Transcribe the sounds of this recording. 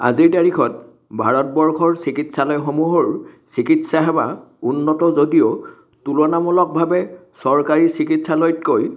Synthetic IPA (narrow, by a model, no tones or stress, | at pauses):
a̰ziɹtaɹikʰɔt̚ | bʱaɹɔtbɔɹkʰɔɹsikitsalɔjxomuɦɔɹsikitsaɦɛbaunːɔtɔzodijo | tulɔnamɔlɔk̚bʱabɛsɔɹkaɹisikitsalɔjtkoj